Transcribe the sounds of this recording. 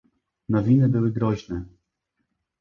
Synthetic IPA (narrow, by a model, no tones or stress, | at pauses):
nɔvʲinɘbɘwɘɡɾɔʑnɛ